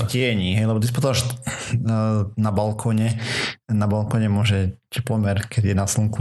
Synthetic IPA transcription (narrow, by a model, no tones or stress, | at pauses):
cɛɛɲiːɦɛjlɛbɔt̪is̬pɔt̪ɔaʒ | nabalkʰɔːɲɛnabalkɔːɲɛmʊɔʒɛcʰɛplɔmɛɾkʰɛd̪jɛnaslɔŋku